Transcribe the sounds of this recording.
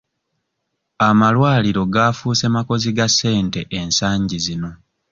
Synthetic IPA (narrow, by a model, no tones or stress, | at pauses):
amalwaːliɾo̞ɡaːfuːse̞mako̞ziɡasːe̞ːnte̞ʔensaːɲɟizino̞